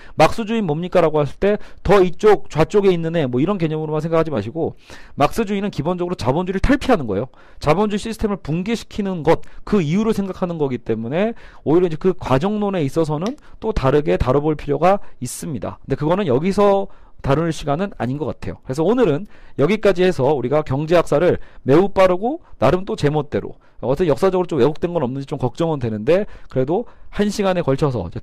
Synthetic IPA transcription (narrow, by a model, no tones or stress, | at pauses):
mak̚s͈ɯd͡ʑuinmʌmɲik͈aɾaɡohas͈ɯɭt͈e̞tʌit͡ɕ͈ok̚t͡ɕwat͡ɕ͈oɡe̞inːɯne̞mwʌiɾʌnke̞ɲʌmɯɾomansʰe̞ŋɡakʰad͡ʑima̰ɕʰiɡo | mak̚s͈ɯd͡ʑuinɯnkibond͡ʑʌɡɯɾot͡ɕabond͡ʑuɾɯɭtʰaɭpʰiɦanɯnɡʌe̞jo | t͡ɕabond͡ʑuɕʰisʰɯtʰemɯɭpuŋɡeɕʰi̥kʰinɯnɡʌt̚kɯiuɾoɭsʰe̞ŋɡakʰanɯnɡʌɡit͈e̞mune̞oiɾjʌid͡ʑe̞kɯkwad͡ʑʌŋnone̞is͈ʌsʰʌnɯnt͈otaɾɯɡe̞taɾʌboɭpʰiɾjoɡais͈ɯmɲida̰kɯnde̞kɯɡʌnɯnjʌɡisʰʌtaɾɯnɭɕʰiɡanɯna̰ɲinɡʌk͈atʰe̞jo̰kɯɾe̞sʰʌonɯɾɯnjʌɡik͈ad͡ʑihe̞sʰʌuɾiɡakjʌŋd͡ʑe̞jak̚s͈aɾɯɭme̞up͈aɾɯɡonaɾɯnt͈ot͡ɕe̞mot̚t͈e̞ɾo̰ | asʰɯnjʌk̚s͈ad͡ʑʌɡɯɾot͡ɕomwe̞ɡok̚twe̞nɡʌnʌmnɯnɲd͡ʑit͡ɕomkʌk̚t͡ɕ͈ʌŋɯndwe̞nɯnde̞kɯɾe̞dohanɕʰiɡane̞kʌɭt͡ɕʰʌsʰʌ̰id͡ʑe